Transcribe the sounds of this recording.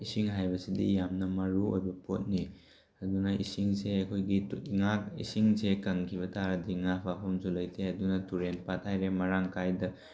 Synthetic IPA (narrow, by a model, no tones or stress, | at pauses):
isiŋɦajbɐsidḭjamnɐmɐɾuojbɐpʰot̚ni | ɐdunɐʔḭsiŋseɐkʰojɡiŋaḭsiŋsekɐŋkʰiβɐtʰaɾɐdiŋapʰapʰɐmsulɐjtʰeɐdunɐtuɾenpat̚hajɾemɐɾaŋkʰajdɐ